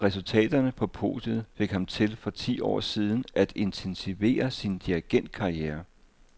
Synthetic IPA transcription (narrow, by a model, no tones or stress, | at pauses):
ʁɛsult͡sʰɛ̰ːd̥ɐnəpʰɒ̽pʰo̝̰ːd̥jəðˠfe̝ɡ̥hɑ̈mt͡sʰe̝lfɒ̽t͡sʰḭːɒ̰ːsiːð̞ˠn̩ʔæd̥e̝nt͡sʰensiʋe̝̰ːɐsind̥iæɡ̥en̰d̥̚kʰɑ̈ieːɐ